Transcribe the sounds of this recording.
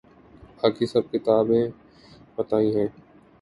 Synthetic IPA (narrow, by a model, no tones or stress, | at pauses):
aːkiːsəb̚kɪt̪aːbẽː | pət̪aːĩːɦɛ̃ː